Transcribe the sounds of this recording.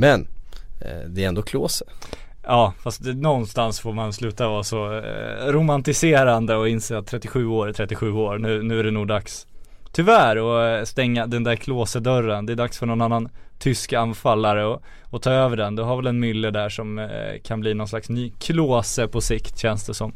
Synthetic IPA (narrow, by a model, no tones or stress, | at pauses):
mɛn | d̪ɛɾɛnd̪oːkʰloːsə | ʔɑːfast̪nɔnst̪ansfoːɾmanslʉ̟ːt̪avɑːɾsɔɾʊmant̪ɪseːɾand̪əɔɪnseːat̪ʰːɾɛt̪ːɪɧʉ̟ːoːɾt̪ʰɾɛt̪ːɪɧʉ̟ːoːɾnʉ̟ːnʉ̟ːæɖɛnuːɡd̪aks | t̪ʰʏvæːɾɔst̪ɛŋːad̪ɛnd̪æɾkʰloːsəd̪œɾənd̪ɛæɖ̪aksfœɳɔnanːant̪ʰʏskanfalːaɾəɔ | ɔt̪ʰɑːøːvəɖɛnd̪ɛɦaɾvɛlɛnmʏlːəd̪æʂɔmkʰanbliːnɔnslaksnyːkʰloːsəpʰɔsɪkt̪ɕɛnsd̪ɛsɔm